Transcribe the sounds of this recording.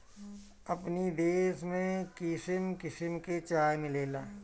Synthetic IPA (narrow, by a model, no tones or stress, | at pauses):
ɐpnid̪eːʃmẽkɪʃɪmkɪʃɪmket͡ʃaːjmɪleːlaː